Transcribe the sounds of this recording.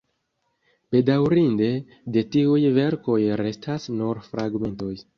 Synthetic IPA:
b̥e̞dawɾinde̞ | de̞tiujve̞ɾko̞jɾe̞stʰasnuɾfɾaɡme̞nto̞j

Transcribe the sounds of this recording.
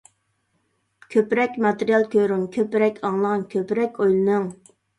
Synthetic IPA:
kʲʰøpɾɛkʲmɑt̪eɾijɑlˠkʲøɾumkʲʰøpɾɛkʲʰɑŋlˠəʁɑnkʲʰøpɾɛkʲojlˠɨnɨŋ

